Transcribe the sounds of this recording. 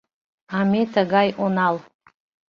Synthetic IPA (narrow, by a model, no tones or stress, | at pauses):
ametʰaɡajʔonal